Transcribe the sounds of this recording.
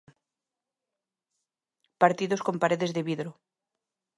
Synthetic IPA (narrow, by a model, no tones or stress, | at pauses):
paɾt̪iðosko̞mpaɾeðe̞zðeβiðɾo